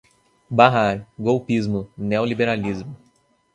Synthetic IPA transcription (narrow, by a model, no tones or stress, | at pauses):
baɦaɾɡowpizmʊneolibeɾalizmʊ